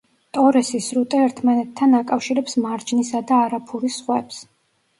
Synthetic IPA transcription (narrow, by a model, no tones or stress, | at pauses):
t̪ʼɔɾɛsisɾut̪ʼɛɛɾt̪ʰmanɛt̪ʰːanakʼafʃiɾɛpsmaɾd͡ʒnisad̪aːɾapʰuɾisχwɛps